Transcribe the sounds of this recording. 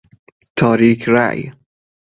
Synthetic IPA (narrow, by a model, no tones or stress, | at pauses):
t̪ʰɒːɾiːkʰɾa̰ʔj